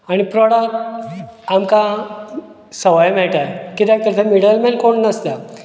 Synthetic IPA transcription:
aɽ̃ipɾɔɽək̚ʈ | amka | səʋajmɛɭʈajkit̪ak̚t̪əɾt̪ʰãmiɽəlmɛnkoɳnəst̪a

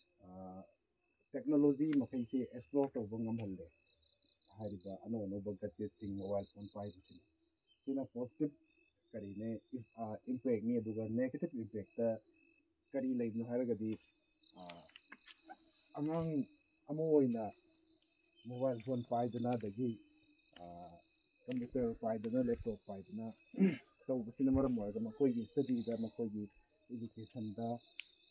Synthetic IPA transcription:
tek̚nolod͡ʒimɐkʰɐjseeksploɾtɐwbɐŋɐmpʰɐlːe | ɦajɾibɐɐnaɐnowbɐɡad͡ʒet̚siŋmobajlpʰonpajbɐsiŋ | sunɐposi̥tib̚ | kɐɾine | impek̚niɐduɡɐneɡetibimpek̚tɐ | kɐɾilɐjbinuɦajɾɐɡɐdi | ɐmaŋ | ɐmɐojnɐ | moβajlpʰonpajdunɐɐdɐɡi | kɐmputeɾpajdunɐlep̚tok̚pajdunɐ | tɐwbɐsinɐmɐɾɐmoɾɐɡɐmɐkʰojɡisɐdiɾiɡɐmɐkʰojɡi | ed͡ʒukesɐndɐ

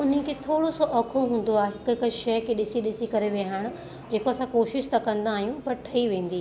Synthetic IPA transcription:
ʊn̤kʰeːt̪ʰoːɽosoʔɐkʰoɦũːn̆d̪oaːɦeɦɪkʊɪkʊ̆ʃɐjkʰeːɗɪsiɗɪsikɐɾeʋeɦəɽ̃ʊ̆ | d͡ʑeːkoɐsãkoːʃɪʃt̪ɐkɐ̃nd̪aːɦijũpɐɾʈʰɐiʋẽːn̆d̪iː

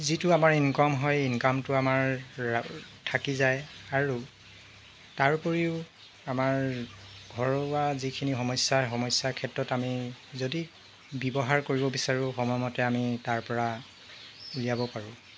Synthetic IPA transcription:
zitʊamaɹinkɔmɦɔjinkamtʊamaɹ | tʰakizajaɹu | taɹpɔɹiʊ | amaɹ | ɡʱɔɹɔwazikʰinixɔmɔjsaɦɔmɔsakʰɛtɹɔtamizodi | bɔbɔɦaɹkoɹibɔbisaɹʊ̃xɔmɔjmɔtɛamitaɹpɔɹa | ulijabɔpaɹʊ̃

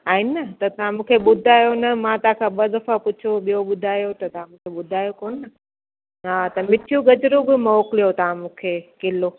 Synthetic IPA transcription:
aːɦɪnɐt̪ɐt̪ɐʋãmũːkʰeɓʊd̪ʱaːjonɐmãt̪ɐãkʰãɓɐd̪ɐfapʊt͡ɕʰoɓijoɓʊd̪ʱaːjot̪ɐt̪ɐʋ̤ãmũːkʰeɓʊd̪ʱaːjokoːnːɐ | ɦaːt̪ɐmɪʈʰijuɡɐd͡ʑɾobɪmɔːkɪlijot̪ɐʋ̤ãmũːkʰekɪlo

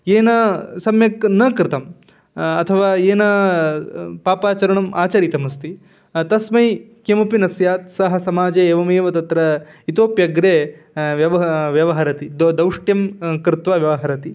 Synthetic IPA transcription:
eːnɐsɐmjɐknɐkɾɪt̪ɐm | ɐt̪ʰɐʋaːeːnɐ | paːpaːt͡ʃɐɾɐɳɐmaːt͡ʃɐɾit̪ɐmɐst̪i | t̪ɐsmɐj | kemɐpinɐsjaːt̪sɐɦɐ̆sɐmaːd͡ʒeːeːʋɐmeːʋɐt̪ɐt̪ɾɐit̪oːpjɐɡɾeː | ʋjɐʋɐʋjɐʋɐɦɐɾɐt̪id̪d̪ɐwʂʈjɐmkɾɪt̪ʋaːʋjɐʋɐɦɐɾɐt̪i

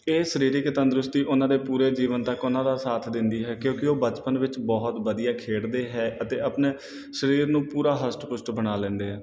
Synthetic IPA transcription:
eːsəɾiːɾiːkɪt̪ənd̪ɾʊst̪iːʔʊnãːd̪eːpuːɾeːd͡ʒiːʋənt̪əkʊnãːd̪aːsaːt̪ʰd̪ɪnd̪iːɦɛːkjõːkɪoːbət͡ʃpənʋɪt͡ʃbɔːɦt̪ʋəd̪ijaːkʰeːɽd̪eːɦɛːʔət̪eːəpneː | ʃəɾiːɾnũːpuːɾaːɦəsʈpʊsʈbənaːlɛ̃ːnd̪eːɦɛː

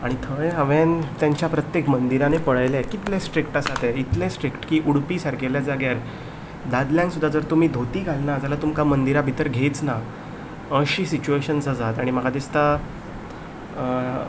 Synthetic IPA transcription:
aɽ̃it̪ʰəjɦəʋent̪jaɲt͡ɕjapɾət̪jekmənd̪iɾanepəɭajlɛkit̪lẽsʈɾikʈasat̪ɛit̪lẽsʈɾikʈkiːʔuɽpiːsaɾkeljad͡zaɡjaɾ | d̪ad̪ljãŋksud̪ʱːad͡zəɾt̪um̤iːd̪ʱot̪iːɡʱalnad͡zalat̪umkamənd̪iɾabʱit̪əɾɡʱet͡sna | əɕiːsit͡ɕueɕənd͡zəd͡zat̪aɽ̃imaɡad̪ist̪a

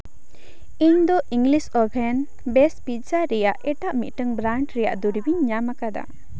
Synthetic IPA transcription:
iɲd̪ɔʔiŋɡlisɔbʱɛn | bɛspit̪saɾɛjaʔɛʈaʔmit̪̚ʈəŋbɾaɳʈɾɛja̰ʔd̪uɾibiɲːamakad̪a̰

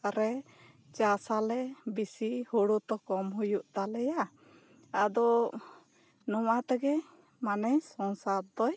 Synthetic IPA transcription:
aɾɛ | t͡ʃasalɛbisihuɽut̪ɔkɔmhujuʔt̪alɛja | ad̪ɔ | nɔwat̪ɛɡɛ | manɛjsɔŋsaɾd̪ɔj

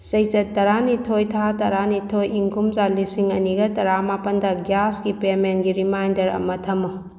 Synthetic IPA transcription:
sɐjt͡ʃɐtːɐɾanitʰojtʰatɐɾanitʰojiŋkumzalisiŋɐniɡɐtɐɾamapɐndɐɡjasɡipemenɡiɾimajndɐɾɐ̰mɐtʰɐmːu

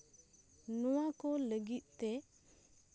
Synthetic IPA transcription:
nuwakoləɡit̪̚t̪e

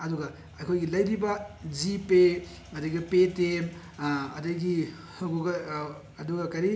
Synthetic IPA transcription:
ɐduɡɐ | ɐjkʰojɡilɐjɾibɐd͡ʒipe | ɐdɐɡipetem | ɐdɐɡi | hɡuɡɐ | ɐduɡɐkɐɾi

